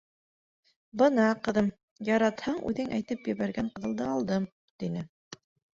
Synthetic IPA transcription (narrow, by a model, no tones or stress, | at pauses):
bɤnɑqɤ̆ðɤm | jɑɾɑt̪hɑɴʉ̰ðɘŋʔæjt̪ɘpjɘ̆βæɾɡæŋqɤ̆ðɤ̆lˠd̪ɤɑlˠd̪ɤm | t̪inɘ